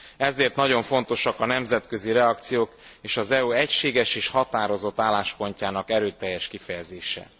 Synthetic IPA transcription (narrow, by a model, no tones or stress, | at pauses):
ɛzeːrt̪nɒɟo̞ɱfo̞n̪t̪o̞ʃɒkɒnɛmzɛt̪kø̞ziɾɛɒkt̪sijoːkeːʃɒzɛuɛcʃeːɡɛʃeːʃhɒt̪aːɾo̞zo̞t̪ːaːlːaːʃpo̞ɲcaːnɒkɛɾøːt̪ɛjːɛʃkifɛjɛzeːʃɛ̰